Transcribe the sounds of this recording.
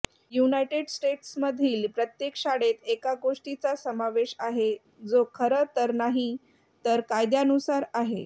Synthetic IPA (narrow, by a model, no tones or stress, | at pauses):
junajʈeɽsʈeʈsməd̪ʱiːlpɾət̪jekʂaɽet̪ekaɡoʂʈit͡sasəmaʋeɕaɦe | d͡zokʰəɾət̪əɾnaɦi | t̪əɾkajd̪janusaɾaɦe